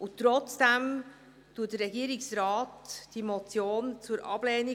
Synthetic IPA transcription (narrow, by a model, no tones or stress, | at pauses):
ʔʊtːɾɔt͡sd̥ɛm | tuətdəɾɛɡiːɾɪksɾɑːtd̥imɔt͡sjoːnt͡suɾʔɑ̰b̥lɛːni